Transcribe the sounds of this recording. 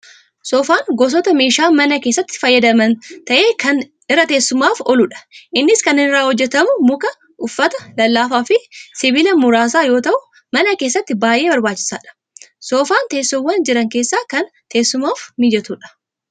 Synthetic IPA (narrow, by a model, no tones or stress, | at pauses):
sɔːfaːŋɡɔs̬ɔt̪ɐmeːʃaːmɐnɐkeːsːɐt̪ːɪ̥fɐjːɐd̪ɐmɐnt̪ɐʔe̞ːkɐn | ɪrːɐt̪eːsːʊmːaːfɔluᶑɐ̥ʔɪnːɪskɐnɪɪrːaːhɔd͡ʒːɛt̪ɐmʊmʊkɐ | ʔʊfːɐt̪ɐlɐlːaːfaːfɪsɪbiːlɐmʊɾaːs̬aːjoːt̪ɐʔʊ | mɐnɐke̞ːsːɐt̪ːɪbaːjʔe̞ːbɐɾbaːt͡ʃːɪ̥sa̰ːᶑɐ̥ | soːfaːnt̪eːsːɔwːɐnd͡ʒɪɾɐŋke̞ːsːaːkɐn | t̪e̞ːsːʊmaːfmid͡ʒɛt̪uːᶑɐ̥